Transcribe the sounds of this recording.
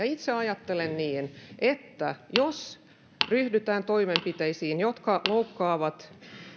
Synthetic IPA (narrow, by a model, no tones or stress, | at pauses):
ɑit̪seɑjɑt̪ːelenniːnʔet̪ːæjos | ryhdyt̪æːnt̪oimempit̪eisiːnjot̪kɑloukːɑːʋɑt̪